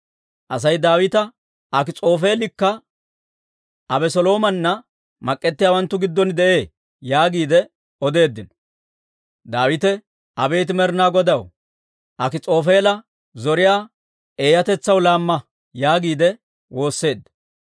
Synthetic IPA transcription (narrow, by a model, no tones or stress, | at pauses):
ʔɐs̬ɐjd̪aːwɪt̪ɐ | ʔɐkɪt͡sʼo̞ːfe̞ːlɪkːɐ | ɐbɛsɔlo̞ːmɐnːɐ | mɐkʼːɛt̪ːɪjaːwɐnt̪ːʊɡɪd̪ːɔnd̪ɛʔe̞ː | jaːɡiːd̪ɛ | ɔd̪e̞ːd̪ːɪnɔ̥ | d̪aːwɪt̪ɛ | ɐbe̞ːt̪̬ɪmɛɾnaːɡɔd̪ɐw | ʔɐkɪt͡sʼo̞ːfe̞ːlɐ | zɔɾɪjaː | eːjɐt̪ɛt͡sːɐwlaːmːɐ | jaːɡiːd̪ɛ | wo̞ːsːe̞ːd̪ːɐ̥